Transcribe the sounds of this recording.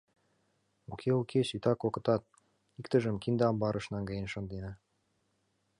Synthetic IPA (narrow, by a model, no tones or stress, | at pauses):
okʰeukʰesyt̪ɑkokɤ̆t̪ɑt̪̚ | ikt̪ə̆ʒə̆mkind̪ɑmbɑɾʔɤ̆ʃnɑŋɡɑjənʃɤ̆nd̪enɤ̆